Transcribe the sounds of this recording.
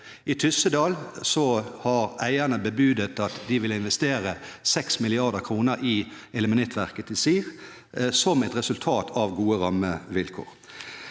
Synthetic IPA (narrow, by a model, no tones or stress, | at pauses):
it̪ʰʏsəd̪ɑːlsɔhɑɾæɪənəbəbʉːd̪ət̪ɑt̪d̪ɪʋɪlɪnʋɛst̪eːɾəsɛksmɪlɪɑʁd̪əkʰɾuːnəɾɪ | ɛləmənɛt̪ʰʋæʁkət̪d̪ɪsiːʁ | sɔmɛt̪ʁɛsʉlt̪ʰɑːt̪ʰɑʋɡuːəɾɑməʋɪlkʰo̰ːʁ